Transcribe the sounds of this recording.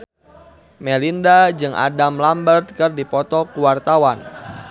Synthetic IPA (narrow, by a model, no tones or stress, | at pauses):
mɛlindad͡ʒɨŋʔa̰damlambərt̪̚kɨrdipɔt̪ɔkuwart̪awan